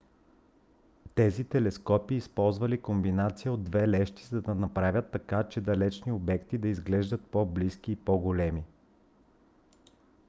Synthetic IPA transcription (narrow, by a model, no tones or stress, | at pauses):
t̪ɛzit̪ɛlɛskɔpiːspɔlˠzvɐlikombinat̪sijəod̪ːvɛlɛʃt̪i̥zɐd̪ɐnɐpɾavʲət̪ːɐkat͡ʃɛd̪ɐlɛt͡ʃniobɛkt̪id̪ɐizɡlɛʒd̪ət̪̚poblisk̟iːpɔɡolɛmi